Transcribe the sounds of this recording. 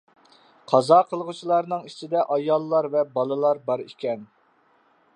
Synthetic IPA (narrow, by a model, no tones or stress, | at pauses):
qʰɑzɑqʰəlˠʁut͡ʃʰilˠɑɾnɨŋit͡ʃʰid̪ɛʔɑjɑlˠːɑɾvɛbɑlˠɨlˠɑɾbɑɾḭkʲɛn